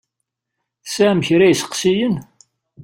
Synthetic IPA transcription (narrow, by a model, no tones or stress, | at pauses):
θsæmçɾæjsə̥qsijən